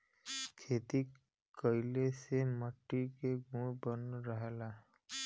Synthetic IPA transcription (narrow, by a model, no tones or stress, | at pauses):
kʰeːt̪i | kəɪleseməʈːikeɡũbənɾəɦela